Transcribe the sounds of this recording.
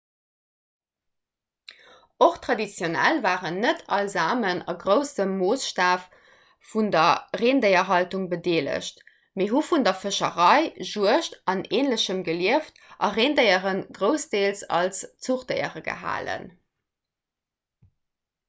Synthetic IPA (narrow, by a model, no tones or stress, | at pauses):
oχtʁ̥ɑdit͡sjonæ̰lvaːʁənːətʰɑlzaːmənɑ̰ɡʁəʊsəmːoːsʃtaːf | fundɐʁeːndəɪɐɦɑltuŋbədeːlə̰ɕt | meːɦufundɐfəʃəʁɑɪʒuəʃtʔɑneːnləɕəmɡəliəftʔɑʁeːndəɪəʁənɡʁəʊsd̥eːlsɑ̰lst͡suχdəɪə̰ʁəɡə̰ɦa̰ːlə̰n